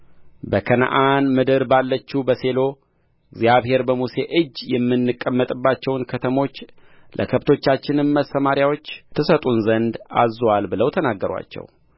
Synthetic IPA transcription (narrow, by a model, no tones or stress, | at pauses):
bəkʰən̰ʔanmɨd̪ɨɾbalːət͡ʃːubəse̞lo̞ | ɨɡzijaβhe̞ɾbəmuse̞ʔɨd͡ʒːjɛmːɨnːɨkʼːəmːət̪ʼɨbːat͡ʃːɛwnkʰət̪ʰəmo̞t͡ʃː | lʔə̰kʰəbt̪ʰo̞t͡ʃːat͡ʃːɪnɨnməsəmaɾjawo̞t͡ʃːt̪ʰɨsət̪ʼunzənd̪a̰zwalbɨləwt̪ʰənaɡːəɾwa̰t͡ʃːɛ̰w